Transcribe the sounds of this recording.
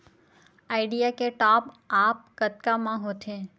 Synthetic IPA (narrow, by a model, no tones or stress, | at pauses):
aːɪɖijakeʈaːp | aːp̚kət̪kamãɦoːt̪ʰẽː